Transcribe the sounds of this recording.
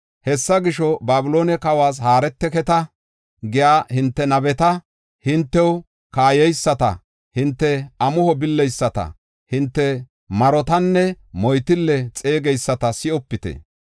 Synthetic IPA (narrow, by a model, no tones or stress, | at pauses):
hɛsːɐɡɪʃɔbaːbʊlo̞ːnɛkɐwaːs̬haːɾɛt̪ːɛkɛt̪ɐ | ɡɪjaːhɪnt̪ːɛnɐbɛt̪ɐ | hɪnt̪ːɛw | kaːjɛjsːɐt̪ɐ̰ | hɪnt̪ːɛɐmʊhɔbɪlːɛjsːɐt̪ɐ̰ | hɪnt̪ːɛ | mɐɾɔt̪ɐnːɛ | mɔjt̪ɪlːɛt͡sʼe̞ːɡɛjsːɐt̪ɐsɪɔpːɪt̪ɛ̰